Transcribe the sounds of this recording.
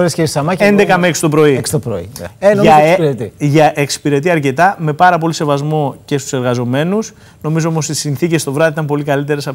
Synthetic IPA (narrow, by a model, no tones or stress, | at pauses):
ɾesceisɐmɐe̞nd̪e̞kɐmeksi̥t̪opɾo̞ikst̪opɾo̰ḭenomʝɐzɾet̪iʝɐʔeksi̥piɾe̞t̪iɐɾce̞t̪ɐme̞pɐɾɐp̬o̞lise̞vɐzmo̞ce̞st̪u̥se̞ɾɣɐzo̞me̞nus | no̞mizoomo̞sisinθice̞st̪o̞vɾɐðiit̪ɐmpo̞likɐlit̪e̞ɾe̞sɐ